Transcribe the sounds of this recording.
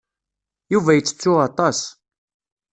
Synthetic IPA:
juvæjət͡sːə̥t͡sːʊɑt̪ˤɑs

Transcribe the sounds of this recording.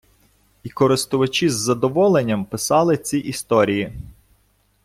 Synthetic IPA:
ikɔɾɪst̪ʊʋɐt͡ʃʲizːɐd̪ɔʋɔlˠenʲːɐmpɪsɑlˠɪt͡sʲiʔist̪ɔɾʲiji

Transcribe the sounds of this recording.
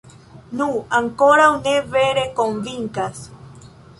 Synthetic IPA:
nũaŋkoɾauneβeɾekomviŋkas

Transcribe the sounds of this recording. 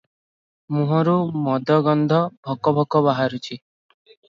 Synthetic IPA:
mũɦɔɾumɔd̪ʱɔɡɔnd̪ʱɔbʱɔkɔbʱɔkɔβaɦaɾut͡ʃʰi

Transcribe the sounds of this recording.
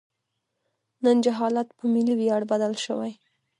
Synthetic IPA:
nənd͡ʒaɦɑlat̪pəmiliwjɑɽbad̪alʃəwaj

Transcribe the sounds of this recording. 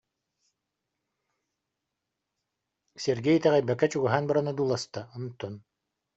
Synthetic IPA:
sɛɾɡɛjt̪ɛʁɛjbɛkːɛt͡ɕuɡuɦaːnbaɾanad̪uːlˠast̪aɔnut̪ːɔn

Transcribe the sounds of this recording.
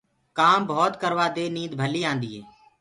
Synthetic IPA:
kaːmbʱɔːt̪kəɾʋaːd̪eːniːd̪bʱəliːãːnd̪iːɦeː

